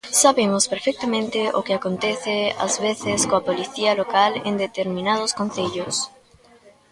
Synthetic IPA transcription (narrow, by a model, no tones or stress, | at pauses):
saβemospeɾfek̚t̪amẽnt̪ɪʔo̰kɪakont̪eθɪa̰zβeθɪskoapoliθiɐlokalḛnd̪et̪eɾmĩnað̞oskõn̟θeʎʊs